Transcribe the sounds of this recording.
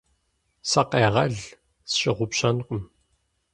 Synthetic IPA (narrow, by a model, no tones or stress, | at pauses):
sɐqeːʁɐɮ | sɕɪʁʷʊpɕɐnqʷʊm